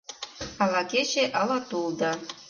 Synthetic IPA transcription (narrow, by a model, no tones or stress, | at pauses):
alakʲeʃeʔalatʼuld̪a